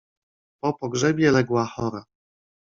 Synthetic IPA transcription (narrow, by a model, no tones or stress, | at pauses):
pɔpɔɡʐɛbʲjɛlɛɡwaxɔɾa